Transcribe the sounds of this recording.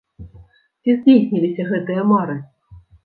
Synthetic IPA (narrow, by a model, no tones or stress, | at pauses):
tʲezʲdʲejsʲnʲilʲisʲɐɣɛt̪ɨjəmɑɾɨ̆